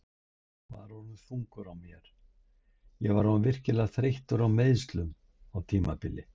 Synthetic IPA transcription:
kʰva̰ðɾɔɾnʏfuŋkʏɾawmjɛɾ̥ | jɛɣvaɾɔvɪr̥cɪlaɣθɾejht̪ʏɾawmejðst̪lʏm | awt̪ʰiːmapɪlɪ

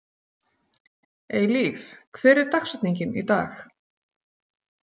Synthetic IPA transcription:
eːjliːfkʰvɛːɾɪɾ̥t̪axsat̪niɲcɪnḭt̪a̰ːx

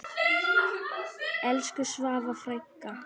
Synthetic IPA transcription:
ɛlskʏsvaːvafɾajkːa

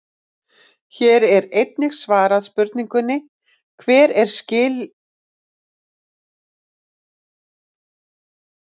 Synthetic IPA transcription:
çɛːɾɛɾejt̪̚nɪɣsvaːɾaðspʏɾt̪niŋkʏnːɪ | kʰvɛːɾɛɾ̥scɪːl

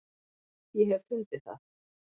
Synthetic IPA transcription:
jɛɦɛvfʏnt̪ɪθa̰ð

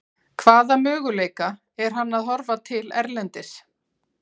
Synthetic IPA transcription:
kʰvaːðamœːɣʏleːjka | ɛɾ̥ɦanːaðɦɔɾvat̪ʰɪlɛ̰ɾlɛnt̪ɪs

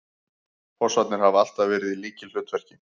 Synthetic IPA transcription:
fɔrsat̪nɪɾ̥haval̥t̪avɛːɾɪðiliːcɪll̥ʏːt̪vɛr̥cɪ

